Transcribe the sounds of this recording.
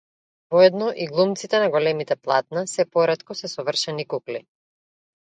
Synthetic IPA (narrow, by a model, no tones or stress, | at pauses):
vɔɛd̪nɔʔiɡlˠumt̪sit̪ɛnaɡɔlɛmit̪ɛplˠat̪̚nasɛpɔɾɛt̪kɔsɛsɔvr̩ʃɛnikukli